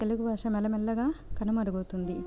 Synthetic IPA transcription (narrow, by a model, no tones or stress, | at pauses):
eluɡubaːʂɐmɛlɐmɛlːɐɡaːkɐnɐmɐɾuɡoːt̪und̪i